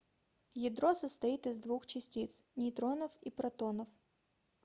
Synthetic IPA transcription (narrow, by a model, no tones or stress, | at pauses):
jɪd̪ɾɔsəst̪ɐit̪ɪzd̪vuxt͡ɕɪsʲtʲit̪snʲit̪ɾonɐfipɾɐt̪ɔnɐf